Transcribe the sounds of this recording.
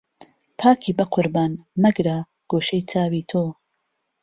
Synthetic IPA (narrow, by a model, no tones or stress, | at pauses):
pʰaːkʰiːbɐqʰʊɾbaːnmɐɡɾa | ɡ̥oːʃɐjt͡sʰaːwiːt̪ʰoː